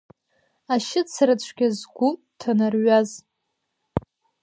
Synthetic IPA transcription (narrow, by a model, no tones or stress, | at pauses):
aʃɪt͡sʰrat͡ɕʷʰɡʲazɡʷu | tʰanarɥaz